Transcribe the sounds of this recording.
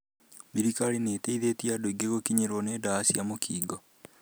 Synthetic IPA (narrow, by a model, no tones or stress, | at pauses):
βiɾikaɾineːteiðetiadoiɡeɣokiɲeɾwɔneːdaːsiamokʰiːɡɔ